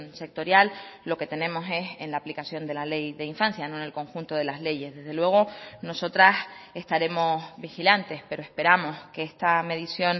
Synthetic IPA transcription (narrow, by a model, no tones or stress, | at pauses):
nse̞k̚t̪o̞ɾjalːo̞ke̞t̪e̞nẽ̞mo̞se̞senlaːplikasjo̞nd̪e̞lale̞jðe̞iɱfansjano̞enelko̞ŋxunt̪o̞ðe̞lazle̞ʝe̞zðe̞zðe̞lwe̞ɣ̞o̞no̞so̞t̪ɾase̞st̪aɾe̞mo̞sβixilant̪e̞spe̞ɾoe̞hpe̞ɾamo̞skeest̪ame̞ðisjo̞n